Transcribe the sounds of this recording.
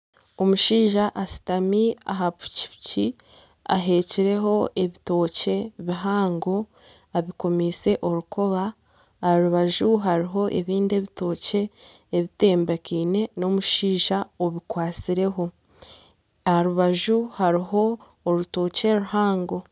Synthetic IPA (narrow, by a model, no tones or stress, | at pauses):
o̞muʃiːʒaʔasi̥tamia̰ɦapu̥ci̥ci | a̰ɦe̞ːciɾe̞ɦo̞ʔe̞βito̞ːce̞βiɦaːŋɡo̞ | aβiko̞mise̞ʔo̞ɾuko̞βaː | aɾuβaʒuɦaɾiɦo̞ʔe̞βiːnde̞βito̞ːce̞ː | βite̞ːmbekiːne̞no̞muʃiːʒaoβikwaːt͡siɾe̞ɦo̞ | ahaɾuβaʒuhaɾiɦo̞ː | ɾuto̞ːce̞ɾuhaːŋɡo̞